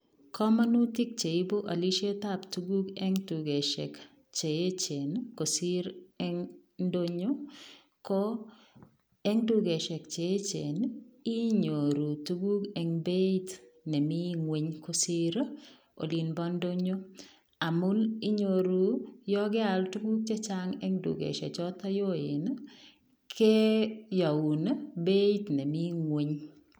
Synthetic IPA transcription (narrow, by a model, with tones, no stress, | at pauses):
kʰɔ˦ma˦nu˦tɪ˦k̚t͡ʃe˨i˦bo˦ʔa̰˨li˦ʃe˦ta˦˨ptu˦ɡu˦kɛ˦ŋtu˨ɡe˨ʃɛ˨k | t͡ʃe˨je˦t͡ʃe˨nko˨sɪ˦ɾɛ˦ŋn˦do˦ɲo˦ | kɔ˦ | ɛ˦ŋtu˦ɡe˨ʃɛ˨k̚t͡ʃe˨e˦t͡ʃe˨ni˦ɲo˨ɾu˨tu˦ɡu˦kɛ˨ŋbe˦i˦tnɛ˨mi˦ŋwe˨ɲko˦si˦ɾ | o̰˨li˨nbɔ˦ndo˦ɲo˦ | a˨mʊ˦ni˦ɲo˨ɾu˨jɔ˦ɡɪ˦a˨ltu˦ɡu˦k̚t͡ʃɛ˦t͡ʃa˦ŋɛ˦ŋdṵ˨ɡḛ˨ʃɛ̰˨t͡ʃɔ˦ta˦jo˦ɪ˨n | kʰe˦ja˨wu˨nbe˦t̪nɛ˨mi˦ŋwe˨˦ɲ